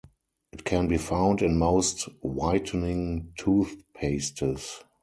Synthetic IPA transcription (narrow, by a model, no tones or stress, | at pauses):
ʔɪtkʰɛ̃nbiːfãʊ̃ndɪ̃nmoʊstwaɪtʰənɪ̃ŋtʰuːθpʰeɪstəs